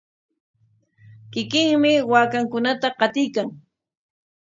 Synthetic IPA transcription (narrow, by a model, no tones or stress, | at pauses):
kɪkɪŋmɪwaːkaŋkʊnat̪aqɑt̪ɪjkaŋ